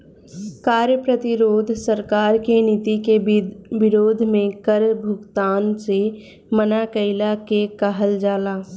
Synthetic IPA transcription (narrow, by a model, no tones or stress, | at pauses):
kaːɾjəpɾət̪ɪɾoːd̪ʱsəɾkaːɾkenɪt̪ikebɪɾoːd̪ʱmẽkəɾbʱʊɡt̪aːnse | mənakəɪlakekəɦəld͡ʒaːlaː